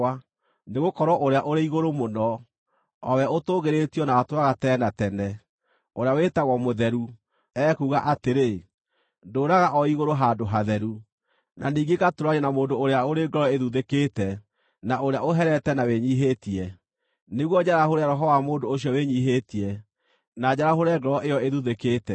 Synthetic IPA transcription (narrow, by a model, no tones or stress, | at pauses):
a | neɣokɔɾwɔʔoɾeaʔoɾeiɣoɾomonɔ | ɔwɛotoːɣeɾetiɔnawatwaɣatɛnatɛnɛ | oɾeawetaɣɔmoðɛɾu | ɛːkuːɣaʔateɾe | ndoːɾaɣaʔɔiɣoɾoɦandoɦaðɛɾu | nʔaniːŋɡekatoɾaɲɛnamoːndoːɾeaoɾeɡɔɾɔeðuðekeːtɛ | naoɾejaoɦɛɾɛtɛnaweɲiɦetiɛ | neɣwɔd͡ʑaɾahoɾeaɾɔɦɔwamoːndoːɕjɔweɲiɦetiɛ | nad͡ʑaɾaɦoɾɛɡɔɾɔʔejɔeðuðekeːtɛ